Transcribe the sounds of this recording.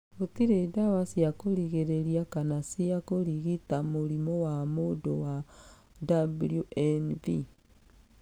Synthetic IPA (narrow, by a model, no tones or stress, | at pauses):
otiɾedawasiakoɾiɣeɾeɾiakanasiakoɾiɣitamoɾimɔwamodowa | dabljuʔɛnvi